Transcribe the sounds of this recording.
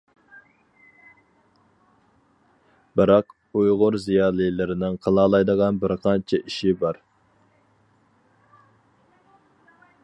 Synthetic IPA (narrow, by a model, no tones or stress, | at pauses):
bɪɾɑq | ujʁʊɾzijɑːlˠɨjlˠɪɾɪnɪŋqʰɑlˠɑːlˠɑjd̪əʁɑnbɪɾqʰɑnt͡ʃʰɛʔiʃibɑɾ